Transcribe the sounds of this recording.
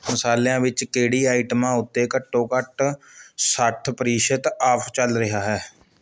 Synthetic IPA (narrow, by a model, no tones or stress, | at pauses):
məsaːljãːʋɪt͡ʃkeːɽiːaːɪʈmãːʊt̪ːeːkəʈːõːkəʈ | səʈʰpəɾiːʃət̪aːpʰt͡ʃəlɾɪɦaːɦɛː